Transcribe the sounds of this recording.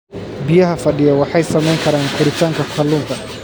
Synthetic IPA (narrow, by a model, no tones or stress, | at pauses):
bɪjɐɦɐfɐɖɪjɐwɑħɑjsɐmɛjŋkʰɐɾaːŋkʰʊɾɪt̪ʰaːŋkʰɐkʰɐluːnt̪ʰɐ